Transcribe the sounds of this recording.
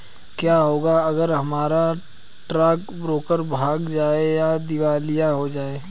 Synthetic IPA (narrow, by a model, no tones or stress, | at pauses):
kjaːɦoːɡaɐɡəɾɦɐmaːɾa | ʈɾɛːk | bɾoːkəɾbʱaːɡd͡ʒaːejad̪ɪʋaːlijaɦod͡ʒaːeː